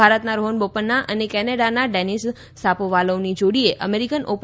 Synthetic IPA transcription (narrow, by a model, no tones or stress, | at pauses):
aɾət̪naɾoɦənbopənːaʔənekɛneɽanaɖɛnisː | apoʋaloʋnid͡ʒoɽieʔə̰meɾikənʔop